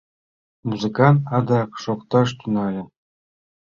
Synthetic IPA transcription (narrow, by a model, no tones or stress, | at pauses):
muzɨ̆kɑnt̪ɑd̪ɑkʂokt̪ɑʂ̬t̪ʲynɑlʲɤ̆